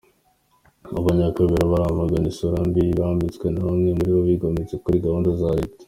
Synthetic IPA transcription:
aβaɲakaβeɾaβaɾamaɡanisoɾambiβaːmbit͡skwe̞naβamŋe̞muɾiβoβiɡomet͡sekuɾiɡahoːndazaɾite̥

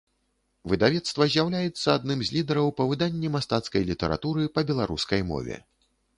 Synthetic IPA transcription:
vɨd̪avʲɛt̪st̪vɐzʲjawlʲajɛt̪sːɐad̪̚nɨmzʲlʲid̪ɛɾɐwpɐvɨd̪anʲːɛmast̪at̪skɐjlʲit̪ɛɾʔa̰t̪uɾɨpɐbʲɛlˠaɾṵskɐjmɔ̰vʲɛ̰

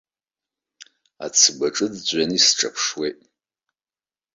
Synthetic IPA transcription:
a̰t͡sʰbaʈ͡ʂʼɨdd͡ʑʷʼanisʈ͡ʂʰʼapʰʂwejtʼ

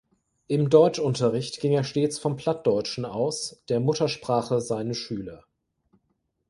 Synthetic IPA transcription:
ʔɪmdɔʏt͡ʃʔʊntɐʁɪçtɡ̥ɪŋeːɐʃteːt͡sfɔmpl̥at̚d̥ɔʏt͡ʃn̩aʊsd̥eːɐmʊtɐʃpʁ̥aːχəzaɪnəʃyːlɐ

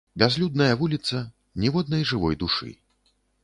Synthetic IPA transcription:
bʲazlʲud̪nɐjɐvulʲit̪sɐ | nʲɛvɔd̪nɐjʐɨvɔ̰jd̪uʂɨ̰

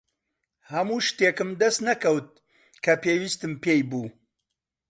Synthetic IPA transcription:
hɐmuːʃt̪eːkɨmd̪ɐst̪nɐkɐwt̪̚ | kʰɐpeːwist̪ɨmpejbuː

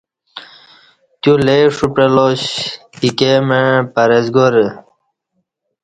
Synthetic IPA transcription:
t̪juleʂupɾeloɕ | ikemepɐɾezɡoɾə

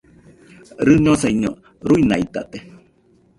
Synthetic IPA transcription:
ɾɨɲõsaiɲo̰ | ɾuinait̪a̰t̪e

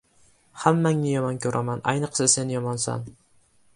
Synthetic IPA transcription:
hamːaŋːɪjɒmɒnkʲʰɵɾʔamanʔa̰jnɨqsase̞njɒmɒnsa̰n

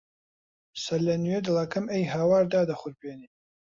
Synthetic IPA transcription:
sɐlɐnwed̪ɨlˠaːkʰɐmejɦaːwaːɾd̪aːd̪ɐχʷʊɾbʰeːniː

